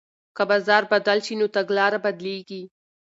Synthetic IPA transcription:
kɐbaːzɑːɾbɐd̪əlʃinot̪ɐɡlɑːɾabɐd̪leɡi

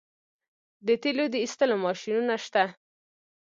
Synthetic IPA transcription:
d̪ət̪elod̪əist̪əlomɑʃinunaʃt̪a

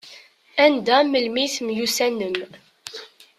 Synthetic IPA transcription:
ænd̪æməlmiθmjusænəm

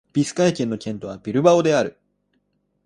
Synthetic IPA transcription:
b̥ʲisɨ̥kaikʲẽ̞nːo̞kʲẽ̞nt̪o̞β̞abʲiɾɯ̟bao̞d̪e̞aɾɯ̟

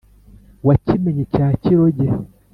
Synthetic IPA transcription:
wat͡ʃimɛɲit͡ʃat͡ʃiɾoɟɛ

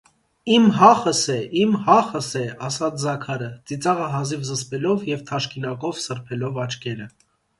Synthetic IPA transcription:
imɦɑχəsɛimhɑχəsɛɑsɑt͡sʰzɑkʰɑɾət͡sit͡sɑʁəɦɑzivzəspɛlɔvjɛvt̪ʰɑʃkinɑkɔvsəɾpʰɛlɔvɑt͡ʃkɛɾə

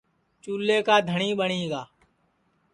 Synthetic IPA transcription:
t͡ʃuːleːkaːd̪ʱəɳiːɓəɳiːɡaː

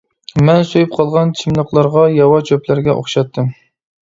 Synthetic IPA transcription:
mɛnsojyp̚qʰɑlˠʁɑnt͡ʃʰimlˠəqlˠɑɾʁɑjɑwɑt͡ʃʰøplæɾɡʲɛʔo̰χʃɑt̪ʰːɨm

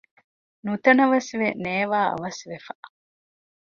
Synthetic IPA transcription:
nut̪ɐnɐʋɐsʋeneːʋaːɐ̰ʋɐsʋefɐʔ

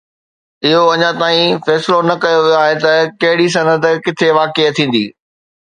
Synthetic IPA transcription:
ɪɦoɐɲãt̪aːĩfɛːsɪlonɐkɐjoʋijoaːɦet̪ɐkɐɦɪɽis̬ɐnəd̪̆kɪt̪ʰeʋaːket̪ʰĩːn̆d̪ḭː

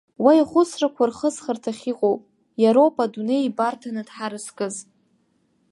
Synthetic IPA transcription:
waiχʷʊsrakʷʰarχəzχartʰaχʲiqʼowpʼ | jaɾowpʼaduneibartʰanɨdħaɾɨskʼɨz

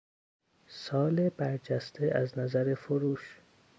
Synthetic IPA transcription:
sɒːlebæɾd͡ʒæst̪ʰeʔæznæzæɾefoɾuːʃ

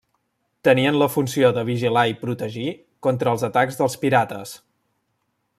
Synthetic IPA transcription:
t̪əniənləfunsioðəβ̞iʒilaipɾut̪əʒi | kɔnt̪ɾəːlˠzət̪aɡzðəlˠspiɾat̪əs

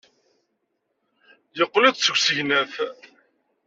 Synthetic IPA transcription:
jəqːlæðt͡sːəɡʷsəʝnæθ

